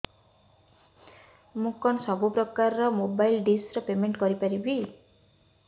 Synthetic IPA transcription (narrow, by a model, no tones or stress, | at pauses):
mukɔnsɔbupɾɔkaɾɾɔmobajlɖisɾɔpemeɳʈkɔɾipaɾibi